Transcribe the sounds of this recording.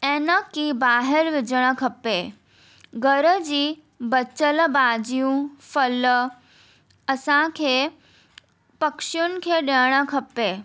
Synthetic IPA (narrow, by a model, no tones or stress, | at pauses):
ẽːnəkːibaːɦeɾʋɪd͡ʑəɽ̃əkʰɐpe | ɡʱəɾəd͡ʑiː | bət͡ɕəlbaːd͡ʑijũfəl | əsãkʰeː | pəkʃjunɪ̆kʰeːɗeɽ̃əkʰɐpeː